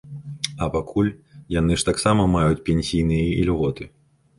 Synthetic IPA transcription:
ɐpakʰulʲjanɨʂt̪aksamɐmajut͡sʲpʲɛnʲsʲijnɨjɐilʲɣɔt̪ɨ

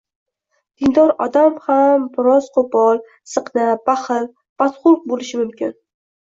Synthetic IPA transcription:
d̪̥ɪnd̪ɒɾɒd̪amhambɪɾɒzqʰʊbɒlˠ | sɨqnabaχɨl | b̥at̪χʊlq̚bolɪʃɪmʊmkʲɪn

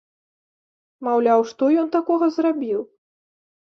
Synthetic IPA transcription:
mawlʲawʂt̪ɔjɔnt̪akɔɣɐzrabʲiw

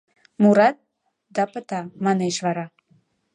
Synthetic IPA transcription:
muɾɑt̪̚ | d̪ɑpət̪ɑmɑneʃβɑɾɑ

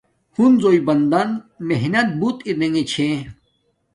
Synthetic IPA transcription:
hunzoːibɐnd̪ɐnmeɦnɐt̪̚but̪iɾneŋet͡ɕʰẽ

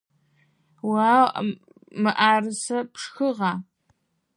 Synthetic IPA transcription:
waːw | mɨʔaːrɨsɐpʂxɨʁɑː

